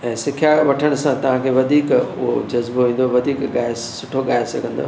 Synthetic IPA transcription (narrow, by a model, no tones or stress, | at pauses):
ɛ̃ːsɪkʰjaʋɐʈʰəɽ̃sãt̪ɐʋ̤ãkʰeːʋɐd̪ʱiːkʊ̰ɦod͡ʑɐzboɦĩːn̆d̪oʋɐd̪ʱiːkɠaːɪssʊʈʰoɠaːɪsɐɡʱə̃nd̪o̰ː